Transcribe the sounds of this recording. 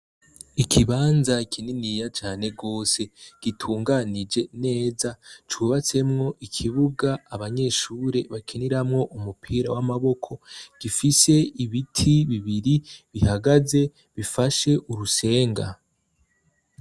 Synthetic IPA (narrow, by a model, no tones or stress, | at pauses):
ikʰiβaːnzakʰininijat͡ʃaːne̞ɡo̞ːse̞ɡ̥itʰuːŋɡanid͡ʒe̞ne̞ːzat͡ʃuβat͡se̞mŋo̞ʔikʰiβuɡaːβaɲe̞ʃuːɾe̞βakʰeniɾamŋo̞ʔumupʰiːɾawamaβo̞kʰo̞ɡ̥ifise̞iβitʰiβiβiɾiβihaɡaze̞ | βifaʃe̞ʔuɾuse̞ːŋɡa̰